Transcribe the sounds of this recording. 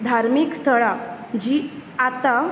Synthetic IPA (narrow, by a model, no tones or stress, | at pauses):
d̪ʱaɾmikst̪ʰəɭad͡ʑiat̪a